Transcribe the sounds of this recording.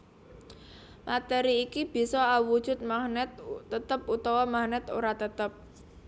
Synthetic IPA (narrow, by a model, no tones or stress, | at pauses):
mat̪ɛɾiːkib̥i̤sɔawud̥ʒ̥ʊ̤t̪̚mahnɛt̪ːət̪əp̚ut̪ɔwɔmahnɛt̪o̰ɾat̪ət̪əp̚